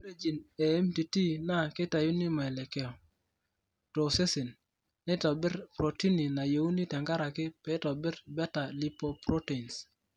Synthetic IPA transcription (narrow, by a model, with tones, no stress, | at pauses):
ɾe˦d͡ʒi˨nɛ˨ɛ˦mti˨ti˦na˦kɪ˦ta˨ju˦ni˦mɔ˨ɛ˨lɛ˨kɛ˦ɔ˨ | to˨se˦si˨nː | ɛ˦tɔ˨bɪ˦ɾpɾo˨ti˦ni˨na˨jo˨u˦ni˦tɛ˨ŋɡa˦ɾa˨kɪ˦pɛ˦tɔ˨bɪ˦ɾbɛ˦ta˨li˦po˦pɾo˦te˨ns